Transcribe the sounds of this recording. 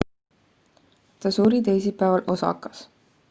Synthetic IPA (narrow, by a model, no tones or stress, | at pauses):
t̪ɑsuːɾit̪ejsipːæːvɑlʔo̞sɑ̰kːˑɑs